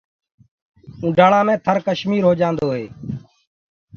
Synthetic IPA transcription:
ũːɖaːɽãːmẽːt̪ʰəɾkəʃmiːɾɦoːd͡ʒãːnd̪oːɦeː

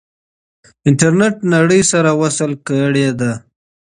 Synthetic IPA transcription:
ɪɳʈaɾneʈnaɽəjsaɾawasəlkəɽed̪a

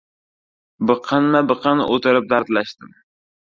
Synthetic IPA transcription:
bɨqʰɑnmabɨqʰɑn̰ʔot̪ɪɾɪp̚d̪aɾt̪laʃt̪ɪm

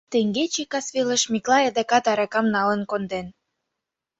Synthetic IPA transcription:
t̪eŋɡet͡ɕikɑsβiləʃmiklɑed̪ekɑt̪ɑɾɑkɑmnɑlə̆nkond̪en

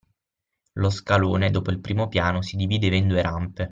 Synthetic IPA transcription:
loskaloːned̪oːpoilpɾiːmopjaːnosid̪iviːd̪evend̪ueɾʔampe

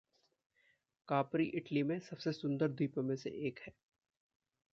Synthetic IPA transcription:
kaːpɾiʔɪʈlimẽsɐbsesʊ̃nd̪əɾd̪iːpəmẽsḛʔeːkɦɛː

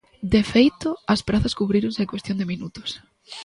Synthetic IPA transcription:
d̪efejt̪ʊɐspɾaθɐskuβɾiɾõŋsekwest̪jond̪ɪminut̪ʊ̥s

